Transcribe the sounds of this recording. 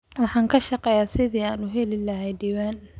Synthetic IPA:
wɑħɑːŋkʰɐʃɑqɛːjaːsɪðiːaːnʊɦɛlɪlɐɦɛjɖiːwaːn

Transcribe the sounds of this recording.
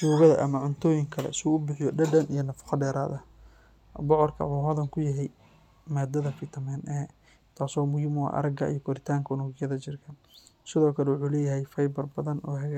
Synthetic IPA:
ʃuːɣɐðɐʔɐmɐʕʊnt̪ʰɔːjɪŋkʰɐlɛ̰sɪuːʊbɪħɪjɔɖɐɖɐnijɞnɐfɑ̥qɑɖɛːɾaːðɐ | bɔʕɔrkʰɐħuːɦɐðɐŋkʰʊjɐɦɛj | maːd̪ɐðɐfɪt̪ʰɐmɛːnʔɛː | t̪ʰaːsɔːmʊjɪmʊa̰ʔɐ̰ɾɐɡɐ̰ḭjɔkʰɔɾɪt̪ʰaːŋkʰɐnʊɣɪjɐðɐt͡ʃɪrkʰɐsɪðɔːkʰɐlɛwʊħuːlɛːjɐɦɛjfɐjbɐrbɐðɐnʔɔːɦɐɣa

